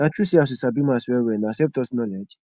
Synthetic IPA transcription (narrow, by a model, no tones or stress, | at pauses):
nãt͡ʃusias̬usabimasuɛwɛnãsɛftɔsnɔlɛd͡ʒ